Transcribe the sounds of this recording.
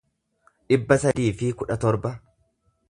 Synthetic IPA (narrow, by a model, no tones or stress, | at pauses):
ᶑɪbːɐsɐd̪iːfɪkʊᶑɐt̪ɔɾbɐ